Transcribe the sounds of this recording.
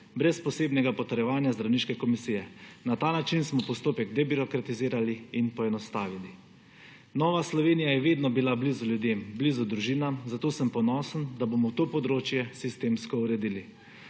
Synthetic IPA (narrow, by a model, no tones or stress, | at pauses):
bɾɛspɔseːbnɛɡapɔt̪ɛɾjɛʋaːnjazd̪ɾawniːʃkɛkɔmisiːjɛnat̪aːnat͡ʃinsmɔpɔst̪oːpɛɡd̪ɛbiɾɔkɾat̪iziːɾaliinpɔɛnɔst̪aːʋili | nɔːʋaslɔʋeːnijajɛʋeːd̪nɔbilabliːzuljud̪eːmblizud̪ɾuʒiːnamzat̪oːsəmpɔnɔsənd̪abomɔwt̪oːpɔd̪ɾoːt͡ʃjɛsist̪eːmskɔuɾɛd̪ili